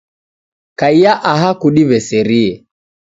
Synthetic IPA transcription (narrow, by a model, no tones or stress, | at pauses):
kaijaʔaɦakuɗiβɛsɛɾiɛ